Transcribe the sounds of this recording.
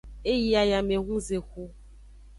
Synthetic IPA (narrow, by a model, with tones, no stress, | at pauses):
e˦ji˦a˨ja˨me˨ɣũ˦ze˨xu˦